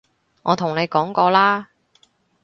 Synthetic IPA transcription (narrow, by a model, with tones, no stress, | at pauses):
ŋɔː˨˧t̪ʰʊ˨˩ŋne˨˧jkɔː˨˥ŋkɔː˧laː˥